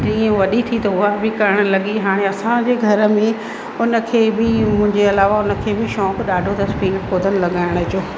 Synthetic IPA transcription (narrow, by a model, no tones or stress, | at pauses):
d͡ʑiːə̃ʋɐɗit̪ʰit̪ɐʊɦabɪkɐɾəɽ̃̆lɐɠiɦaːɽ̃eɐsãd͡ʑeːɡʱɐɾə̆mẽ | ʊnə̆kʰeːbɪmʊ̃ɦɪ̃ɲd͡ʑeɐlaːʋaʊnə̆kʰeːbɪʃɔːkɗaːɖʱot̪ɐspiːnkoːd̪ʱənɪ̆lɐɠaːɪɽ̃əd͡ʑoː